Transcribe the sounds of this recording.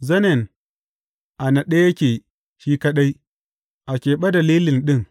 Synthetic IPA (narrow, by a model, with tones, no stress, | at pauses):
zɐ˦ne˨n | ʔa˨na˨ɗe˦je˦kʲeː˨ | ʃiː˦ka˦ɗa˦i˦ | ʔa˨kʲeː˨ɓa˦da˨liː˦lɪ˨nɗɪ˦ŋ